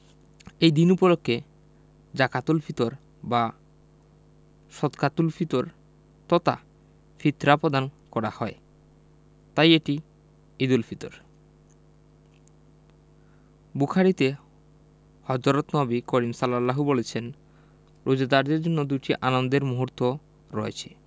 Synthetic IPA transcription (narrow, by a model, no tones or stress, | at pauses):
ejd̪inupolokʰːe | d͡ʑakat̪ulfʰit̪oɾ | ba | ʃɔt̪kat̪ulfʰit̪oɾ | t̪ɔt̪a̰ | fit̪ɾapod̪ankɔɾahɔe | t̪ajeʈi | id̪ulfit̪o̰ɾ | bukʰaɾit̪e | hɔd͡ʑɔɾot̪nɔbikoɾimsalalːaɦubolet͡ɕʰen | ɾʔud͡ʑad̪aɾd̪eɾd͡ʑonːod̪uʈiʔanond̪eɾmuɦuɾt̪o | ɾɔet͡ɕʰe̥